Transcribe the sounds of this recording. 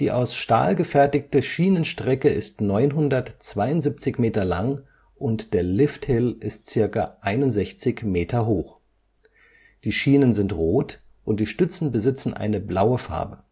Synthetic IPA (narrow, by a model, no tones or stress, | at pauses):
d̥iːʔaʊsʃta̰ːlɡəfɛɐtɪçtəʃiːnənʃtʁ̥ɛkəɪstnɔʏnɦʊndɐtt͡sv̥aɪʊntz̥ip̚t͡sɪçmeːtɐla̰ŋ | ʔʊntd̥eːɐlɪfthɪlʔɪstt͡sɪɐkaʔaɪnʊntz̥ɛçt͡sɪçmeːtʰɐɦoːx | d̥iːʃiːnənzɪntʁoːt | ʔʊnt̚d̥iːʃtʏt͡sn̩bəzɪt͡sn̩ʔa̰ɪnəblaʊəfa̰ɐbə